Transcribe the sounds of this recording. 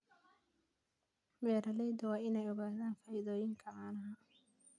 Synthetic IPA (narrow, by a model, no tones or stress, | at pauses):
bɛːɾɐlɛjd̪ɐwɑːɪnɛjɔɣaːðaːnfɐjɪðɔːjɪŋkʰɐaːnɐɦa